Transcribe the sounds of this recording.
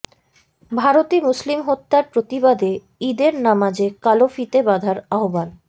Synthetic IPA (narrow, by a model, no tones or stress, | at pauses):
bʱaɾot̪imuslimɦot̪ːaɾpɾot̪ibad̪e | id̪eɾnamad͡ʑekalofit̪ebad̪ʱaɾaobal